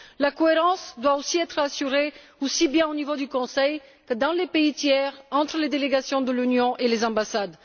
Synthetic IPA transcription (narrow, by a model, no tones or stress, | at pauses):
lakoeʁɑ̃sd̪waosiɛt̪χasyʁe | osibjɛ̃onivod̪ykɔ̃sɛjkəd̪ɑ̃lepeit̪jɛʁɑ̃t̪χəled̪eleɡasjɔ̃d̪əlynjɔ̃ʔelezɑ̃basad̪